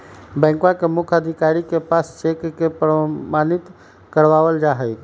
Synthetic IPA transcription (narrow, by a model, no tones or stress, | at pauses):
bɛ̃ːŋkwakemʊkʰəd̪ʱikaɾikepaːssekkepɾəmaːnit̪ | kəɾʋaːʋəld͡ʒaɦəj